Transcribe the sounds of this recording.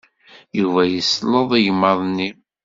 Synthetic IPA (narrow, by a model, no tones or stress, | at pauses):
juvæjəsləðˤijmːəðˤnːi